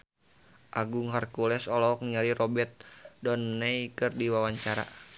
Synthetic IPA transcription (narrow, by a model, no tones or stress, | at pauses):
ʔaɡuŋɦarkulɛsɔlɔk̚nɲalirɔbɛt̪̚dɔnːɛikɨrdiwawaɲt͡ʃaɾa̰